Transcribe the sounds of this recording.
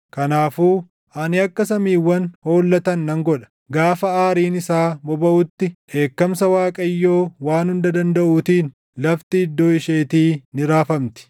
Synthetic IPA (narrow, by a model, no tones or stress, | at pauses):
kɐnaːfuː | ʔɐnɪɐkːɐsɐmiːwːɐnho̞ːlːɐt̪ɐnːɐŋɡɔᶑɐ̥ | ɡaːfɐaːɾiːnɪsaːbɔbɐʔʊt̪ːɪʔe̞ːkːɐmsɐwaːkʼɐjːo̞ːwaːnhʊnd̪ɐd̪ɐnd̪ɐʔuːt̪iːn | lɐft̪ɪɪd̪ːo̞ːɪʃe̞ːt̪iːnɪɾaːfɐmt̪ɪ̥